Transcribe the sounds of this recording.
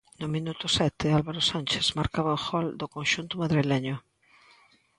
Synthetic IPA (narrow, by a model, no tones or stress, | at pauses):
nʊmĩnut̪ʊsɛt̪ɪalβaɾosanʲt͡ʃesmaɾkaβaʊxɔld̪ʊkonʃunt̪ʊmaðɾileɲʊ